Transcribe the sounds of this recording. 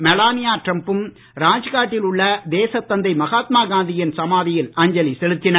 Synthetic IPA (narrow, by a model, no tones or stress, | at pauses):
mɛlaːnɪjaːʈrɐmpɯm | ɾaːd͡ʒɐɣaːʈːɪlʊɭːɐd̪eːsɐt̪ːɐnd̪ɐɪmɐɣaːt̪maːɡaːnd̪ɪjɐnsɐmaːðɪjɪlɐːɲd͡ʒɐlisɛlɯt̪ːɪnɐɾ